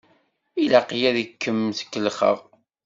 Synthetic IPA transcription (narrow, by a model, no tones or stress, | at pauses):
ilaqjæðəkːəmθə̥kːəlχə̰ʁ